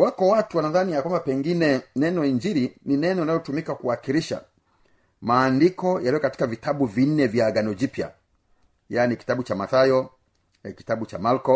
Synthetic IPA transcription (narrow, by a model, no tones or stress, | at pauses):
wakɔwatuwanaðanijakwambapɛŋɡinɛnɛnɔiɲd͡ʒiɾininɛnɔinajɔtumikakuwakiɾiʃa̰ | maːndikɔjalijɔkati̥kavitabuvin̩nɛvjaːɡanɔd͡ʒipja̰ | jaːniki̥tabut͡ʃamaθajɔ | ɛki̥tabut͡ʃamalkɔ